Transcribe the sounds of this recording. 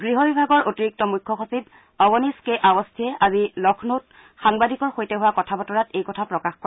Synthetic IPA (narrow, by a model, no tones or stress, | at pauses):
ɡɹiɦɔbibʱaɡɔɹʔotiɹik̚tɔmujkʰːɔxosib̚ | ɔɡɔniskeʔabɔstʰiɛʔazilɔkʰnot | xaŋbadʱikɔɹxojtɛɦuwakɔtʰabɔtɔɹatejkɔtʰapɹɔkaxkɔ